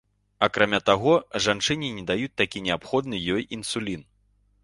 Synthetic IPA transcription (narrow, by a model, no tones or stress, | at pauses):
akɾamʲat̪aɣɔʐant͡ʂɨnʲinʲɛd̪ajut͡sʲt̪akʲinʲɛapxɔd̪nɨjɔjinsulʲin